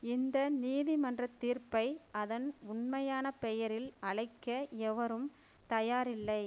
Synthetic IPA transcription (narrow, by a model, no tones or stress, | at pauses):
ɪnd̪ɐniːðimɐndrɐt̪ːiːrpɐɪɐðɐnʊɳmɐjaːnɐpɛjɐɾɪlɐɭɐɪkːɐɛʋɐɾɯm | t̪ɐjaːɾɪlːɐɪ